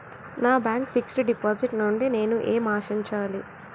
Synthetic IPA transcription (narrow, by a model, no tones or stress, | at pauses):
naːbaːŋkpʰiksʈuɖipaːd͡ʒiʈnuɳɖine̞ːnuʔeːmaːʃiɲt͡ʃaːli